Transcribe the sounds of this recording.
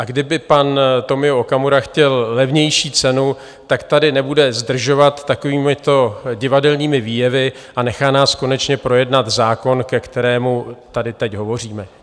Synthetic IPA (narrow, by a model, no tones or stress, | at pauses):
ʔaɡdɪbɪpant̪o̞mɪoʔokamuɾaxcɛllɛvɲɛjʃiːt͡sɛnu | t̪akt̪adɪnɛbudɛzd̪r̩ʒo̞vat̪ːako̞viːmɪt̪o̞ɟɪvadɛlɲiːmɪviːjɛvɪ | ʔanɛxaːnaːsko̞nɛt͡ʃɲɛpɾo̞jɛdnat̪zaːko̞nkɛkt̪ɛɾɛːmut̪adɪt̪ɛcɦo̞vo̞r̝iːmɛ